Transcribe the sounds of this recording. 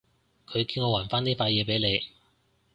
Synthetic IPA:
kʰɵ˨˧ɥkiː˧nŋɔː˨˧waː˨˩nfaː˥niː˥faː˧jɛː˨˧pe˨˥jne˨˧j

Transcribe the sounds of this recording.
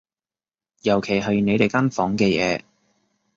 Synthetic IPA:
jɐ˨˩wkʰe˨˩jɦɐ˨˧ɥne˨˧jt̪e˨jkaː˥nfɔː˨˥ŋkɛː˧jɛ̰ː˨˧

